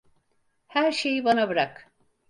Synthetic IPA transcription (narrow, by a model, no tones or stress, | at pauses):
hæɾʃejibanabɯɾak